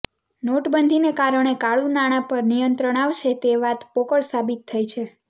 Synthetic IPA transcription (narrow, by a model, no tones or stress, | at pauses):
noʈbənd̪ʱinekaɾəɳ̃ekaɭũnaɽ̃ãpəɾnijənt̪ɾəɳ̃aʋʃet̪eʋat̪pokəɭsabit̪ʰːəjt͡ʃʰe